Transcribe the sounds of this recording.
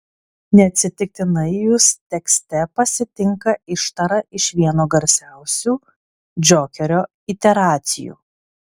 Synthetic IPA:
nʲɛɐt̪ʲsʲɪt̪ʲɪk̚t̪ʲɪnɐɪjʊst̪ʲɛksʲt̪ʲɛpɐsʲɪt̪ʲɪŋkɐʔɪʃt̪ɐɾɐʔɪʃʋʲiɛnoːɡɐɾʲsʲæˑʊsʲuː | d͡ʒʲoːkʲɛɾʲoː | ɪt̪ʲɛɾɑːt̪sʲɪ̰jṵː

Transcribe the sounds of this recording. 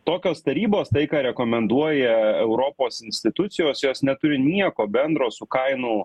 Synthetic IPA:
t̪oːkʲoːst̪ɐɾʲiːboːst̪ɐɪkɑːɾʲɛkoːmʲɛnd̪uɔjɛɛʊɾopoːsɪnʲsʲt̪ʲɪt̪ʊt̪sʲɪjoːsjoːsnʲɛt̪ʊɾʲɪnʲiɛkoːbʲɛnd̪ɾoːsʊkɐɪnʊ

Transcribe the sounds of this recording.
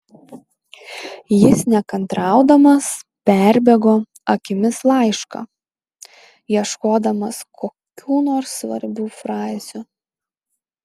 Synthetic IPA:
jɪsnʲɛkɐnt̪ɾɑˑʊd̪ɐmɐspʲæɾʲbʲɛɡoː | ɐkʲɪmʲɪslˠɑˑɪʃkɐ̰ | jiɛʃkoːd̪ɐmɐskʰoːkʲuːnoːɾsːʋɐ̰ɾʲbʲuːfɾɑːzʲʊ

